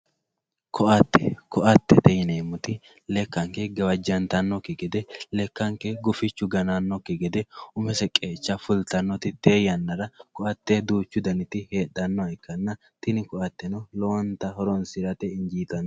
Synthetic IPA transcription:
kʰɔʔɐt̪ːɛ̰kɔʔɐt̪ːɛt̪ɛjɪneːmʊt̪ɪ | lɛkːɐŋkɛɡɐwɐd͡ʒːɐnt̪ɐnːɔkːɪɡɛd̪ɛlɛkːɐŋkɛɡʊfɪt͡ʃːʊɡɐnɐnːɔkːɪɡɛd̪ɛʊmɛsɛkʼːeːt͡ʃːɐfʊlt̪ɐnːɔt̪ɪt̪eːjɐnːɐɾɐkɔɐt̪ːed̪uːt͡ʃːʊd̪ɐnɪt̪ɪhe̞ːɗɐnːɔɐɪkːɐnːɐ | t̪ɪnɪkɔʔɐt̪ːɛnɔloːnt̪ɐɦɔɾɔnsɪɾɐt̪ɛɪɲd͡ʒiːt̪ɐnː

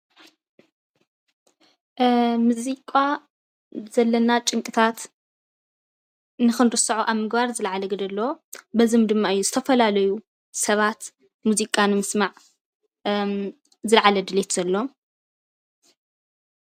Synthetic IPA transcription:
muzikʼa | zɐlːɐnat͡ʃʼɨŋkʼɨt̪ʰat̪ | nɨxɨnɾɨsɐʕuʔaβmɨɡbaɾzɨlʕalɐɡɨd̪ɐlːɐobɐzɨmd̪ɨmːaɨjːuzɨt̪ʰɐfɐlalɐju | sɐβat̪ | muzikʼanɨmɨsmaʕ | zɨlʕalɐd̪ɨlet̪z̥ɐlːo̞

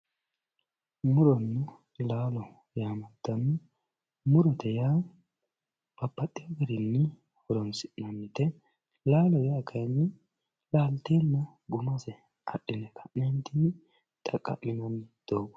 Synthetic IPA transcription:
mʊɾɔnːʊ | laːlɔ | jaːmɐd̪ːɐnːɪ | mʊɾɔt̪ɛjaː | b̥ɐpːɐt̪ʼːɪɐɡɛɾɪnːɪ | hɔɾɔnsɪʔnɐnːɪt̪ɛ | laːlɔjaːkʰɐjnːɪ | laːlt̪eːnːɐ | ɡʊmɐsɛ | ɐ̰ɗɪnɛkʰɐ̥nɛnt̪ːɪnːɪ | t̪ʼɐkʼːɐ̰mːɪnɐnːɪd̪̥oːɡɔ̥

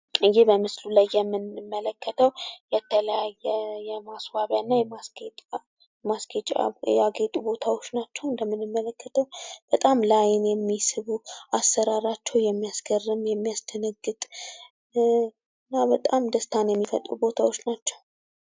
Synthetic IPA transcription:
ɨjːɪhbəmɨslulajːɛmːɨnmːələkːət̪ʰəwjɛt̪ʰələjajːɛjɛmaswaβjanːajɛmase | masket͡ʃʼa̰jaɡet̪ʼubo̞t̪ʰawo̞t͡ʃːnat͡ʃːɛwɨnd̪əmːɨnɨmːələkːət̪ʰəwb̥ət̪ʼamlajɪnjɛmːisɨβuasːəɾaɾat͡ʃːɛwjɛmːijasɡərːɨmjɛmːijast̪ʰənəɡːɨt̪ʼ | ɨ | ɨnːabət̪ʼamd̪əst̪ʰanjɛmːifə̰t̪ʼṵbo̞t̪ʰawo̞t͡ʃːnat͡ʃːɛw

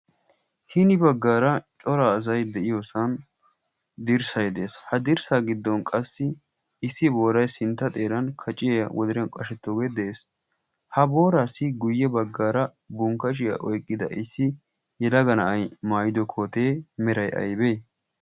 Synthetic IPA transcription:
hɪnɪbɐɡːaːɾɐt͡ʃʼɔɾaːzɐjd̪ɛʔɪjosɐn | d̪ɪɾsɐjd̪e̞ːshɐd̪ɪɾsaːɡɪd̪ːɔnkʼɐsːɪː | sːɪbo̞ːɾɐjsɪnt̪ːɐt̪ʼe̞ːɾɐnkʰɐt͡ʃʼːɪjjɐwɔd̪ɪɾɐnkʼɐʃɛt̪ːoːɡed̪e̞ːs | hɐbo̞ːɾaːsɪɡʊjːɛbɐɡːaːɾɐ | bʊŋkːɐʃ̬ɪjɐ̰ʔɔjkʼːɪd̪ɐ̰ʔɪsːɪ | jɛlɐɡɐnɐɐjmaːjɪd̪ɔkʰoːt̪e̞ːmɛɾɐjʔɐ̰jbeː

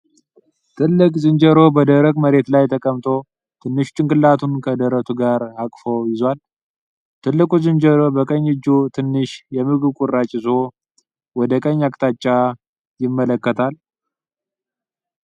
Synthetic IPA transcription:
t̪ʰɨlːɨkʼzɨnd͡ʒəɾo̞bəd̪əɾəɡməɾe̞t̪lajt̪ʰəkʼəmt̪ʼʰo̞ | t̪ʰɨnːɨʃt͡ʃʼɪŋkʼɨlːat̪ʰunkʰəd̪əɾət̪ʰuɡaɾakʼfowjɪzwal | t̪ʰɨlːɨkʼuzɨnd͡ʒəɾo̞bəkʼəɲːɨd͡ʒːut̪ʰɨnːɨʃjɛmɨɡɨβkʷʼurːat͡ʃʼɪzo̞ | wɔd̪əkʼəɲːakʼt̪ʰat͡ʃʼːa | jɪmːələkːət̪ʰal

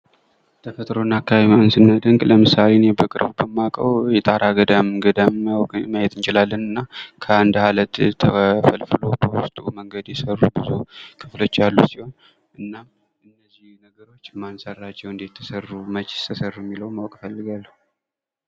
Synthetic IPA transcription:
t̪ʰəfət̪ʼɾo̞nːakʰːabmiansɨnːəd̪əŋɡʼləmɨsalenjɛbəkʼɨɾbubəmːakʼəwjɛt̪ʼaɾaɡəd̪əmɡəd̪əmwʼməjɛt̪ʰʼɨnt͡ʃɪlalːənɨnːakʰəand̪halət̪t̪ʰːəfəlfɨlo̞bəwʊst̪ʼuməŋɡəd̪jɛsərːubɨzukʰɨflo̞t͡ʃːalːusiho̞n | ʔɨnːam | ʔɨnːəzːihnəɡəɾo̞t͡ʃːmansərːat͡ʃːɛwɨnd̪it̪ʰːəsərːumət͡ʃʼt̪ʰəsərːjɛmːiləwmawkʼfəlːɨɡalːəhu

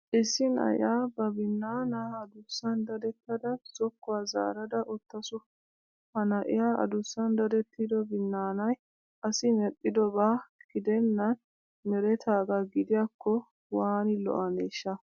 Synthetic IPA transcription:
ʔɪsːɪnɐ̰jaːbɐbɪnːaːnɐhɐd̪ʊsːɐnd̪ɐd̪ɛt̪ːɐd̪ɐz̥ɔkːʊwaːza̰ːɾɐd̪ɐʔɔt̪ːɐsʊ | hɐnɐʔɪjaːʔɐ̰d̪ʊsːɐnd̪ɐd̪ɛt̪ːid̪ɔbɪnːaːnɐj | ʔɐsɪmɛɗɪd̪ɔbaːɡ̥ɪd̪ɛnːɐn | mɛɾɛt̪ʰaːɡɐɡɪd̪ɪjakʰːɔ | waːnɪlɔ̰ʔɐneːʃːɐ

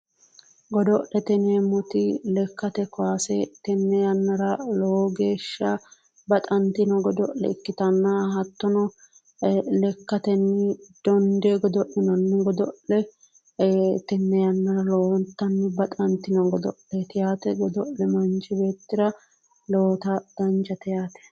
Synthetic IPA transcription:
ɡɔd̪ɔʔɛt̪ɛneːmʊt̪ɪlɛkːɐt̪ɛkɔwaːsɛt̪ɛnːɛjɐnːɐɾɐloːɡe̞ːʃːɐ | bɐt̪ʼɐnt̪ɪnɔɡɔd̪ɔʔɛ̰ɪkːɪt̪ɐnːɐɦɐt̪ːɔnɔ | lɛkːɐt̪ɛnːɪd̪̥ɔnd̪ɛɡɔd̪ɔʔɪnɔnːʊɡɔd̪ɔʔlɛ | t̪ɛnːɛjɐnːɐɾɐloːwɔnt̪ːɐnːɪbɐt̪ʼɐnt̪ːɪnɔɡɔd̪ɔ̰ʔlɛt̪ɪjaːt̪ɛɡɔd̪ɔʔlɛmɐnd͡ʒɪbe̞ːt̪ːɪɾɐ | loːt̪ɐd̪̥ɐnd͡ʒɐt̪ɪjaːt̪ɛ̥

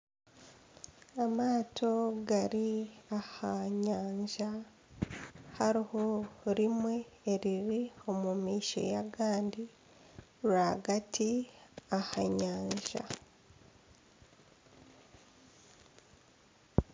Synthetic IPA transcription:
amaːtʰo̞ɡaɾiahaɲaːɲʒa | haɾihoɾimwe̞ːɾiɾio̞mumiːʃo̞̰jaɡaːndi | ɾaɡatiahaɲaːɲʒa̰

